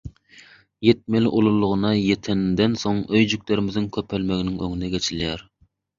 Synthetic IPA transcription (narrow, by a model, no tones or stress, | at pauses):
jet̪̚mɪlʔolˠulˠːʊʁənɑjet̪ʰɪnd̪ɛnsoŋøjd͡ʒyk̚ʲlɪɾɪmɪznɪŋkʲʰøpʰɛlmɛɡʲnɪŋø̰ŋinɛɡʲɛt͡ʃʰiljɛɾ